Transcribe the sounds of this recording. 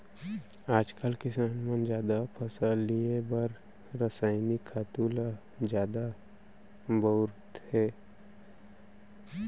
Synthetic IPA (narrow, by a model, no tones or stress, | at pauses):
aːd͡ʒkəlkɪsaːnmə̃nd͡ʒjaːd̪apʰɐsaliẽbəɾ | ɾəsaːɪnikʰːaːt̪uːla | d͡ʒjaːd̪a | bəʊɾt̪hɛː